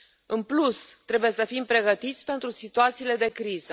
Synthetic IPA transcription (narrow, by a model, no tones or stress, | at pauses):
ɨnplust̪ɾebuje̞səfimpɾe̞ɡət̪it̪sʲpe̞nt̪ɾusit̪uat̪siːle̞d̪e̞kɾizə